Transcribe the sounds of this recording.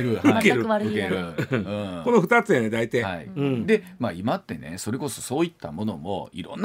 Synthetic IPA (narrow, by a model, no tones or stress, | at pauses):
ɾɯɯkeɾɯɾɯkeɾɯɯ̃ko̞noɸɯ̟t̪at͡sɨjaned̪ait̪aja̰ḭɯ̃d̪e̞ | maimat̪ːe̞ne̞̰so̞ɾe̞ko̞so̞so̞ːit̪ːamo̞no̞̰mo̞̰ḭɾõ̰nː